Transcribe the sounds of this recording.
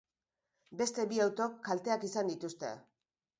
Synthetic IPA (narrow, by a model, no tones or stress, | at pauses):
be̞st̪e̞biawt̪o̞kːalt̪e̞akisand̪it̪ust̪e̞̰